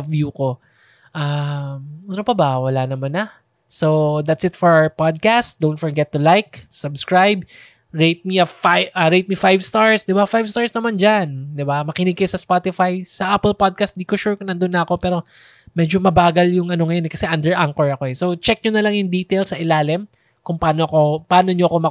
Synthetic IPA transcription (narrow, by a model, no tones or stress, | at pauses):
vjuko̞ | ʔamunopɐbɐwɐlanɐmanɐ | sowd̪at̪sɪt̪fɔɹawəɹpad̪̚kast̪d̪ownt̪fɔɹɡɛt̪ːʊlajk̚sɐbskɹajb̚ | ɹejt̪̚miɐfaʔɐɹejt̪̚mifajvst̪aɹsd̪ɪbafajvst̪aɹsnɐmand͡ʒand̪ɪbamɐkɪnɪɡ̚kɐjosɐspat̪ɪfajsɐʔapɛlpad̪̚kɐst̪̚nd̪iːkoʃuɹkʊŋnɐnd̪onːɐɐko̞pɛːɾo̞ | mɛd͡ʒomɐbaːɡɐljʊŋɐno̞ŋɐjo̞nɛkɐsɛʔɐnd̪ɛɹʔaŋkɛɹɐko̞ɛsot͡ʃɛk̚ɲonɐlɐŋjʊŋd̪iːt̪ɛjlsɐʔɪlaːlɪm | kʊŋpaːnoʔɐkopaːno̞ɲoʔɐko̞mɐ